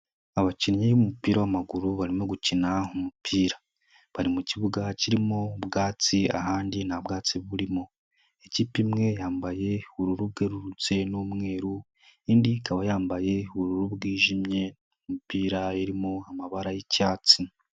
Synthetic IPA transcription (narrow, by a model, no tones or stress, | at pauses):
aβaciɾɲijumupiːɾawamaɡuɾuβaɾimo̞ɡucinaumupʰiːɾa | βaɾimuciβuɡaciɾimobɡaːt͡sia̰ɦaːndinabɡaːt͡siβuɾimo̞ | eciːpimŋe̞jaːmbaje̞uβuɾuɾuβɡe̞ɾuɾut͡se̞numŋe̞ːɾu | iːndikaβajaːmbaje̞uβuɾuɾuβɡiːʒimɲe̞ | umupiːɾaeɾimoamaβaɾajecaːt͡si